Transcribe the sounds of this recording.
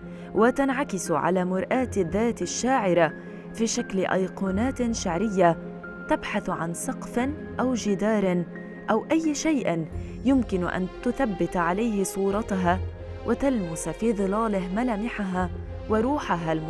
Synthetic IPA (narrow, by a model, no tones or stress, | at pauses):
wʔat̪anʕakɪsʊʕa̰laːmʊɾʔaːt̪ɪðːaːt̪ɪʃːaːʕɪɾa | fiːʃaklɪʔɑ̰jquːnaːt̪ʃaʕɾɪjːa | t̪abħaθʕa̰nsˤɑqfɪn | ʔawd͡ʒɪd̪aːɾˤɪn | ʔawʔajːʃajʔɪn | jʊmkɪnʔa̰nt̪ʊθabːɪt̪ʕalajhɪsˤuːɾˤɑt̪aɦaː | wʔat̪almʊsafiːðˤɨlaːlɪɦmalaːmɪħaɦa | waɾuːħaɦalm